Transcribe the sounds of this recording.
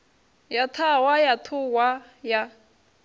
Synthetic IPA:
jat̪ʰawajat̪ʰuwa | ja

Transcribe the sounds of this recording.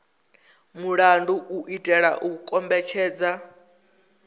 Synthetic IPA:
muɺanduʔuʔitʼɛɺa̰ʔukukʼɔmbɛt͡ʃʰɛːd͡za

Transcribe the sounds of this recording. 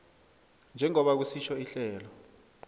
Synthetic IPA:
nd͡ʒʱɛŋɔɓak̬usiʃʰɔiɬɛːlɔ

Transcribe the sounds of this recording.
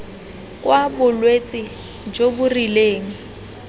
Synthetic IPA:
kʼwabʊlwet͡sʼɪ | d͡ʒobʊrileːŋ̩

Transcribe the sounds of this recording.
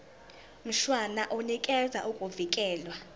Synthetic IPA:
m̩ʃwanaʔunikʼɛza̰ʔukʼuvikʼɛːlwa

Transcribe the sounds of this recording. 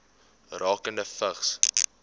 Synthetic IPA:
rɑːkəndəfəχs

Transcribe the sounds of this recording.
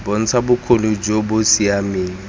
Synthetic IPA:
bon̩t͡sʰabʊkʰolʊd͡ʒobʊsiameːŋ̩

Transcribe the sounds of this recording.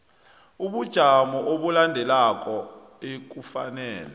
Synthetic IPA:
uɓud̥ʒ̥ʱamɔʔoɓulandʱɛlak̬ʼɔ | ek̬ufa̰nɛːlɛ

